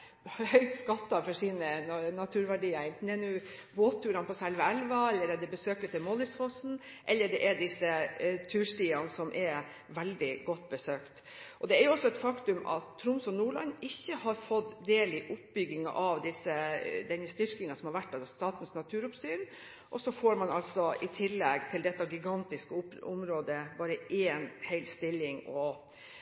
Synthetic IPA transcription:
hœʏt̪skɑt̪ːɑfɔʂiːnənɑt̪ʰʉːɾʋæɖiːɑɪnt̪nd̪ɛnʊboːt̪ʰːʉːɾɑnpʰɔsɛlʋəɛlʋɑɛlːəɾɛd̪ɛbəsøːkɪt̪ʰɪlmɔlɪsfɔsn̩ | ʔɛlːəɖɛʔɛɖɪsːət̪ʰʉːʂʈiːɑnəsɔmʔɛɾ | ʋɛld̪ɪɡɔt̪̚ːbəsøːkt̪ | ʔɔd̪ɛæɾjʊɔsːɔɛt̪fɑkt̪ʉmʔɑ̰t̪ʰːɾʊmsɔnuːɭɑ̰nːɪçːəhɑɾfɔd̪d̪eːlɪʔʊpbʏɡːɪŋɑ̰ʔɑʋd̪ɪsːəd̪ɛnəst̪ʏɾkɪŋɑsɔmhɑɾʋæʈːɑst̪ɑːt̪n̩snɑt̪ʰʉːɾʊpst̪yːɾ | ʔɔsɔfoːɾmɑnɑlsɔɪt̪ʰɪlːɛɡt̪ʰɪld̪ɛt̪ːɑɡɪɡɑnt̪ɪskəʊʊmɾoːd̪əbɑːɾəʔeːnhɛɪlst̪ɪlːɪŋɔ

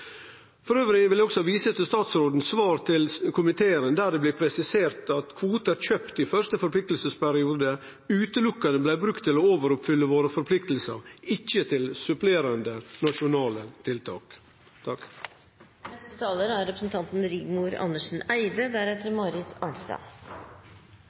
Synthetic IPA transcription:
fɔɾøːʋɾɪənʋɪljæɔksɔhɑːʋiːsət̪ɪst̪ɑːt̪sɾoːd̪n̩sʋɑːɾt̪ʰɪlkʰʊmɪt̪ʰeːəɾənd̪æɖ̪ɛblɪːpʰɾɛsɪseːɾt̪ɑt̪kʰʋuːt̪əɾçøːpt̪ɪfœʂt̪əfɔɾpʰlɪk̚t̪l̩səspæɾɪuːd̪ə | ʉːt̪əlʊkːɑnəblæɪbɾʉkt̪ʰːɪlooːʋəɾʊpfʏlːəʋoːɾəfɔɾpʰlɪk̚t̪lsə̰ɾɪçːət̪ʰɪlsʉpleːɾɑnd̪ənɑʂʊnɑːlət̪ʰɪlt̪ʰɑ̰ːk | t̪ʰɑk | nɛst̪ət̪ʰɑːləɾæɾɾɛpɾəsn̩t̪ʰɑnt̪n̩ɾɪɡmuːɾɑ̰nəʂn̩æɪd̪əd̪æɾɛt̪ːəɾmɑɾɪt̪ʰɑ̰ːɳst̪ɑ̰

